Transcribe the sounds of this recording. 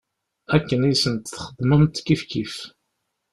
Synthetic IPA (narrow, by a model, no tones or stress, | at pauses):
ækːənisənt̪θχəd̪ˤməmt̪kifkif